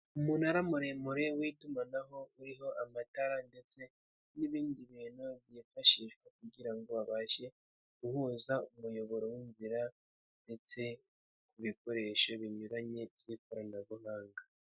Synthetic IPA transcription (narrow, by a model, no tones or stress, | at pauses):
umuːnaɾamuɾemuɾe̞witumanaɦo̞uɾiɦo̞ʔamataɾande̞t͡se̞ | niβiːndiβiːnuβjifaʃiʃɡwek̚uɡiɾaŋɡo̞βaβaːʃe̞ | ɡ̥uhuːzaumujo̞βo̞ɾo̞winziɾa | nde̞t͡se̞ | kuβiko̞ɾe̞ʃo̞βiɲuɾaɲe̞ikoɾanaβuhaːŋɡa